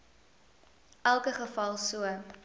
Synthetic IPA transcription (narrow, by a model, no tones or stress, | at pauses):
ʔælˠkəχəfɐlˠsuə